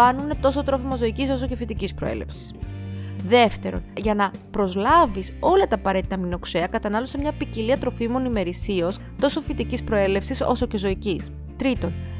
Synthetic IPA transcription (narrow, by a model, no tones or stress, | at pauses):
ɐnune̞t̪o̞so̞t̪ɾo̞fimɐzo̞iciso̞so̞ce̞fit̪icispɾo̞̰e̞̰le̞̰fsi̥s | ðe̞ft̪e̞ɾo̞̰nʝɐnɐpɾo̞zlɐviso̞lɐt̪ɐːpɐɾe̞t̪i̥t̪ɐmino̞kseɐkɐt̪ɐnɐlo̞semɲɐpiciliɐt̪ɾo̞fimo̞nime̞ɾisios | t̪o̞so̞fit̪icispɾo̞e̞le̞fsiso̞̰so̞ce̞zo̞icis | t̪ɾit̪o̞n